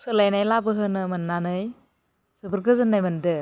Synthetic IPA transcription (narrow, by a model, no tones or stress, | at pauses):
sɯlajnajlabɯɦɯnɯmɯnːanɯj | sɯbɯɾɡɯzɯnːajmɯndɯ